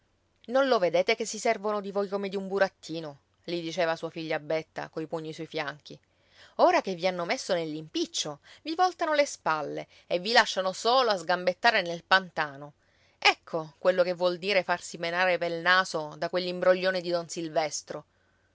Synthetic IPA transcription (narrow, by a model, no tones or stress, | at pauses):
nonloved̪eːt̪ekesːisɛrvonod̪ivojkomed̪iumbuɾat̪ʰːiːno | lid̪it͡ʃeːvasuːafiʎːabːet̪ːa̰koipuɲːiswɔjfjaŋk̟i | oːɾakevːianːomesːonelːimpit͡ʃːovivɔlt̪anolespalːḛ | evːilaʃːanosoːloazɡambet̪ːaːɾenelpant̪aːno | ɛkʰːokwelːokevːwɔld̪iːɾefarsimenaːɾepelnaːzod̪akwelːimbɾoʎːoːned̪id̪onsilvɛst̪ɾo